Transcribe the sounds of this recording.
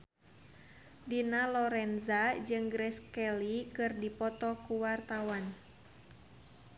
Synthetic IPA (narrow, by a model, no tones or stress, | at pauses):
dinalɔɾɛnzad͡ʒɨŋɡɾɛskɛlikɨrdipɔt̪ɔkuwart̪awan